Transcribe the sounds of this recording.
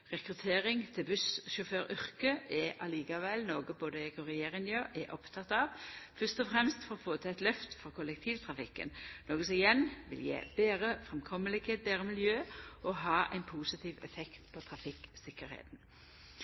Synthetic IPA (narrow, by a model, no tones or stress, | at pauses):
ʁɛkʁʉt̪ʰeːʁɪŋt̪ʰɪlbʉsʃʊføːɾʏʁkəʔɛʔɑliːkəʋɛlnoːɡəboːd̪əɛkʊʁɛjeːʁɪŋjøːʔɛʔɔpt̪ʰɑt̪ɑʋfœst̪ɔfʁɛmst̪fɔʁɔfoːt̪ʰɛɛt̪lœft̪fɔʁkʰʊlɛk̚t̪ʰiːʋt̪ʰʁɑfɪkːə̰nnoːɡəsɪjɛnʋɪ̰ljḛːb̥eːʁəfʁɛmkʰɔməlɪɡeːt̪̚beːʁəmɪljøːʔɔɦɑːʔæ̰ɪnpʰuːsɪt̪ʰiːʋɛfɛkt̪pʰɔt̪ʰʁɑfɪksɪkːəɾhḛːt̪n̩